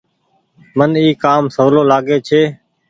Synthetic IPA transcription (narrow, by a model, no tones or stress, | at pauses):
məniːkaːmsoːloːlaːɡeːt͡ʃʰeː